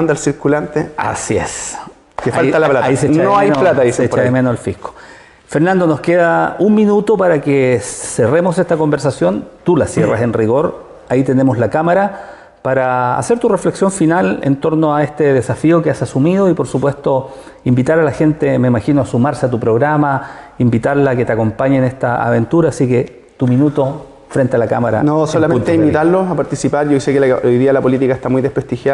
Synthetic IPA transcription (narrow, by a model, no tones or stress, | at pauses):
nd̪alsiɾkulant̪ea̰sies | kefalt̪alaplataiset͡ʃnanoajplat̪aisesepɾaemenosalfihko̥ | feɾnand̪o̞noskeðaumminut̪opaɾakeseremosest̪ako̞mbe̞ɾsasjo̞nt̪ulasjera̰senriɣo̞ɾ | ait̪e̞nemoslakamaɾa | paɾa̰ːse̞ɾt̪urefleksjo̞ɱfinalḛnt̪o̞ɾnoaest̪eðesafiokeasasumiðoipo̞ɾsupwe̞st̪o | imbit̪aɾalaxent̪eme̞imaxinoasumaɾseat̪upɾoɣɾamaimbit̪aɾlaːket̪eako̞mpaɲenest̪aa̰βe̞nt̪uɾaːsike | t̪uminut̪o | fɾent̪ealakamaɾa̰nosolameunt̪eaimbit̪aɾloapaɾt̪isipaɾʝoisekelaojðialapolit̪ikaest̪amujðehpɾest̪ixja